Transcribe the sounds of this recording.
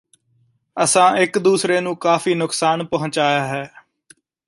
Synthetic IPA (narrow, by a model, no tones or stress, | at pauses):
əsãːʔɪkd̪uːsɾeːnũːkaːfiːnʊksaːnpəɦʊ̃t͡ʃaːjaːɦɛː